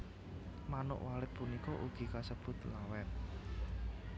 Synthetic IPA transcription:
manʊ̰ʔwalɪt̪̚punikɔʔuɡ̥i̤kasəb̥ʊ̤t̪lawɛn

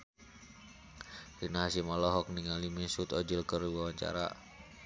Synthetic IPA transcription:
rinaɦasimɔlɔɦɔk̚niŋalimisut̪ɔd͡ʒəlkəriwawaɲt͡ʃa̰ɾa̰

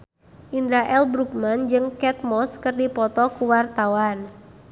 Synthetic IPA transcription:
ʔindaʔɛlbɾuk̚mand͡ʒɨŋkɛt̪̚mɔskɨrdipɔt̪ɔkuwart̪awan

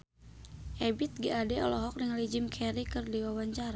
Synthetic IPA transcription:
ʔɛbit̪̚ɡiadɛɔlɔɦɔk̚niŋlid͡ʒimkʰɛɾikɨrdiwawaɲt͡ʃaɾa

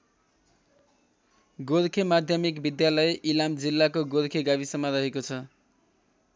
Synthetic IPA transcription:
ɡoɾkʰemad̪ʱjʌmikbid̪jalʌeʔilamd͡zilːakoɡoɾkʰeɡabisʌmːaɾʌɦekot͡sʰʌ

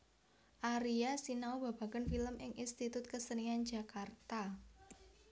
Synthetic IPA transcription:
ʔaɾiasinaob̥ä̤b̥a̤kənfiləmʔɪŋʔinst̪it̪ʊt̪̚kəsənian̥d͡ʒ̥a̤kart̪a

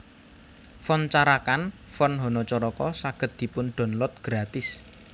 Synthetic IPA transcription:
fɔnt͡ʃaɾakanfɔnɦɔ̤nɔt͡ʃɔɾɔkɔsaɡ̥ə̤t̪̚d̪̥i̤pʊnɖ̪̥ɔ̤nlɔt̪̚ɡ̥ɾat̪ɪs

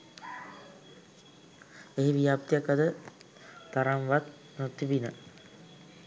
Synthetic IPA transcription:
eɦiʋijap̚t̪ijakad̪ə | t̪ːaɾaŋʋat̪̚ | not̪ːibinə

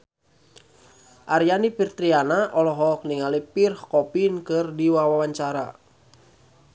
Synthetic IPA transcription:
ʔaɾjanipirt̪ɾianaʔɔlɔɦɔk̚niŋalipirhkɔpinkɨrdiwawawaɲt͡ʃaɾa̰

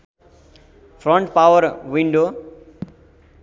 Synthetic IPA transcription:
pʰɾɔ̃ɳʈpawʌɾwiɳɖo

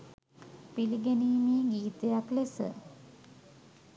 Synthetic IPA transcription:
piliɡeniːmeːɡiːt̪ejaklesə̰

